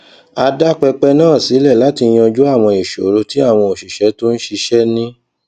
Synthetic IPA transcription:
a˧da˦k͡pɛ˧k͡pɛ˧nãː˦˨si˨˦lɛ˦˨la˨˦ti˧j̃ɔ˧d͡ʒu˦a˦˨w̃ɔ̃˧i˨ʃo̰˨˦ɾo˧ti˨˦a˦˨w̃ɔ̃˧o˨ʃi˨ʃɛ˨˦to˦n̩˦ʃi˧ʃɛ˦nĩ˦

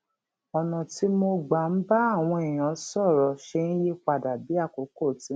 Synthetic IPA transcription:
ɔ˨nã˨ti˦mo˧ɡ͡ba˨˦n̩˦ba˦a˦˨w̃ɔ̃˧e˨j̃ã˨˦sɔ˦˨ɾɔ˨ʃe˧nĩ˦je˦k͡pa˧˨da˨bi˨˦a˦˨ko˨˦ko˦˨ti˨˦

